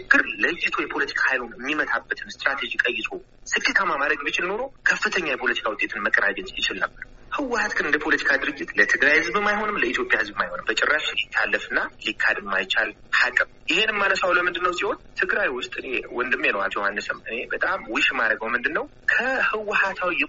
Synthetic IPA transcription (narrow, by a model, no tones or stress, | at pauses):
t͡ʃɨɡːɨɾləjːɪt̪ʰojɛpʰo̞lət̪ʰi̥kʰahajlunmːimət̪ʰabːət̪ʰɨnst̪ʼɾat̪ʰed͡ʒikʼəjːɪt̪ʰo | sɨkʼːet̪ʰamamaɾəɡbit͡ʃɪlno̞ɾokʰəfːɨt̪ʰəɲːajɛpʰo̞lət̪ʰi̥kʰawʊt̪ʼet̪ʰɨnməkʼːəɾad͡ʒɛɲt͡ʃʼjɪt͡ʃɪlnə̰bːəɾhɨwʊhat̪ɡɨnɨnd̪əpʰo̞lət̪ʰi̥kʰad̪ɨɾɨd͡ʒːɪt̪lət̪ʰɨɡɾajhɨzbmajɦo̞nɨmləit̪ʰjo̞pʼjahɨzbmajho̞nɨmbət͡ʃʼɪrːaʃlit̪ʰːalːəfɨnːalikʰːad̪mːajt͡ʃːal | hakʼːɨmjɪhe̞nɨmːanəsawləmɨnd̪ɨnːəwsiho̞nt̪ʰɨɡɾajwʊst̪ʼɨnewɔnd̪ɨmjɛnowat͡ʃːɛwhanːɨsəmɨne̞bət̪ʼamwɨʃmaɾəɡəwmɨnd̪ɨnːəw | kʰəhɨwːʊhat̪ʰawiɛ